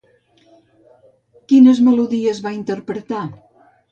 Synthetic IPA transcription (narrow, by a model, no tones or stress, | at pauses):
kinəzməluðiəzβaint̪əɾpɾət̪a